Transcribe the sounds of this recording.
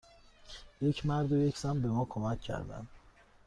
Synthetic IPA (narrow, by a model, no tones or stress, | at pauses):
je̞cʰmæɾd̪oje̞cʰz̥æmbe̞mɒːkʰomæcʰːæ̰ɾd̪æ̰nd̪̥